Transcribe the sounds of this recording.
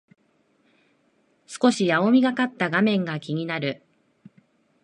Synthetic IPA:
sɨ̥ko̞ɕijao̞mʲiɡakat̪ːaɡamẽ̞ŋɡakʲiɲ̟inaɾɯ̟

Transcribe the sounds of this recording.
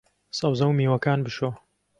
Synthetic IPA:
sɐwzɐwmiːwɐkaːnbɨʃoː

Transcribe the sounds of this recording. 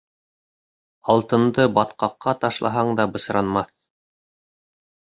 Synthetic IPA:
ɑlˠt̪ɤ̆nd̪ɤbɑt̪qɑqːɑt̪ɑʃlˠɑ̰ɦɑɴd̪ɑbɤ̆sɾɑnmɑθ

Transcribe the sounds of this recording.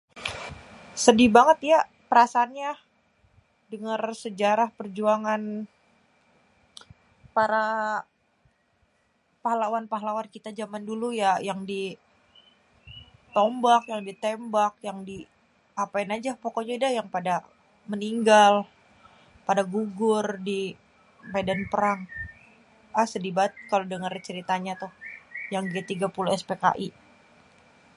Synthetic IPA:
sədibaŋət̪ja | pəɾasaːnɲa | dəŋarsəd͡ʒaɾahpərd͡ʒuaŋan | paɾa | pahlawanpaɦlawankit̪ad͡ʒamandulujajaŋdi | t̪ɔmbakjaŋdit̪embakjaŋdi | apaɪnad͡ʒapokɔɲaidajaŋpada | məniŋɡal | padaɡuɡʊrdi | madanpəɾaŋ | asədibat̪̚kalodəŋərt͡ʃəɾit̪aɲat̪ʊhjaŋdiat̪iɡapuluɛspeka̰ʔi

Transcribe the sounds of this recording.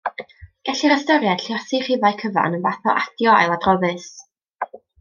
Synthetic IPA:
ɡ̥ɛɬiɾəstɔɾjad̥ɬjɔsiχɪvajkʰəva̰nənvaθɔʔadjɔa̰jlˠadrɔðɨs

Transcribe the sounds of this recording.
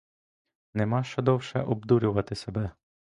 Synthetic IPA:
nɛmɑʃɛd̪ɔwʃɛ̰ʔɔbd̪uɾʲʊʋɐt̪ɪsebɛ

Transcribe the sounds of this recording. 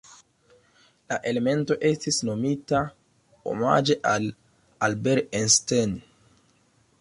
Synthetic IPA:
laʔe̞le̞me̞nto̞ʔe̞stisno̞mita | o̰ma̰d͡ʒe̞ʔal | albeɾensten

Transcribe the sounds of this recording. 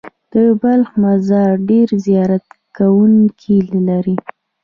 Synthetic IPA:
d̪̥əbalxmazɑɾɖeɾzijɑɾat̪kawuŋkʰillaɾi

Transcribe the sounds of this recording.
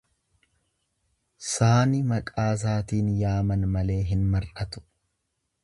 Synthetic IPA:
saːnɪmɐkʼaːs̬aːt̪iːnjaːmɐnmɐle̞ːɦɪnmɐrʔɐt̪ʊ̥

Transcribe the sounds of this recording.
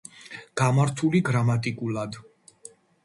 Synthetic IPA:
ɡ̥amaɾt̪ʰuliɡɾamat̪ʼikʼulˠad̪

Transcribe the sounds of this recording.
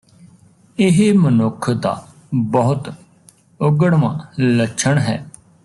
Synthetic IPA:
ɪɦemənʊkʰd̪a̰ː | bəɦʊt̪ | ʊɡəɽʋã̰ːləʃʰəɳɦɛː

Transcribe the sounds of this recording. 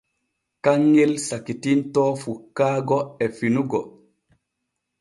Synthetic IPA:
kaŋːɛlsakitintɔːfukːaːɡɔɛfinuɡɔ

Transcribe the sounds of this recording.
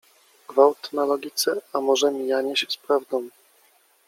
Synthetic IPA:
ɡ̥vawt̪nalɔɡʲit̪sɛamɔʐɛmʲijaɲɛɕspɾavd̪ɔ̃w̃

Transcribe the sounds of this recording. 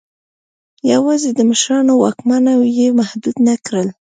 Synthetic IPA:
jawɑzed̪əməʃɾɑnowɑkmanawjemahd̪ud̪nakɾəl

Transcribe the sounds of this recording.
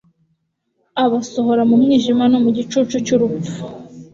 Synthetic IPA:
aβaso̞ɦo̞ɾamumŋiːʒimanomuɟit͡ʃut͡ʃucuɾufu

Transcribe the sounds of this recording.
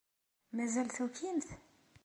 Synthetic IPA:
mæzælθukːimθ

